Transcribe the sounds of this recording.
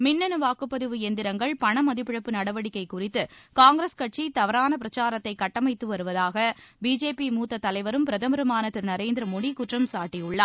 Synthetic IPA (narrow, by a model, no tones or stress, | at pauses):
mɪnːɐnɯʋaːkɯpːɐðɯʋɯɛnd̪ɪɾɐŋɡɐɭpɐɳɐmɐðɪpːɪɻɐpːɯnɐɽɐʋɐɽɪkːɐɪkːʊrɪt̪ːɯkaːŋɡɾɐskɐʈ̚t͡ʃit̪ɐʋɐɾaːnɐp̬ɪɾɐt͡ʃaːɾɐt̪ːɐɪkɐʈːɐmɐɪt̪ːɯʋɐɾɯʋɐðaːɣɐbiːd͡ʒeːpimuːt̪ːɐt̪ːɐlɐɪʋɐɾɯmpɪɾɐðɐmɐɾɐmaːnɐt̪ːɯɾnɐɾeːnd̪ɪɾɐmoːɽikʊʈrɐmsaːʈːijʊɭːɐː